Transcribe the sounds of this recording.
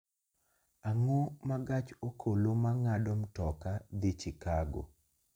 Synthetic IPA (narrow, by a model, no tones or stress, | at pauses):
aŋomaɡat͡ʃokʰolomaŋadomtɔkad̪it͡ʃikaɡo̰